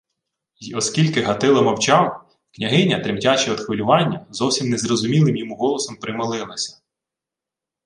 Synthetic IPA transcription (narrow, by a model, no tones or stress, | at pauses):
ɔskʲilʲkɪɦɐt̪ɪlˠɐmɔwt͡ʃɑw | knʲɐɦɪnʲɐt̪ɾɪmtʲɑt͡ʃɛɔd̪xʋɪlʲʊʋɑnʲːɐzɔwsʲimnɛzrɔzʊmʲilˠɪmjɔmuɦɔlˠɔsɔmpɾɪmɪlˠɪlˠɐsʲɐ̥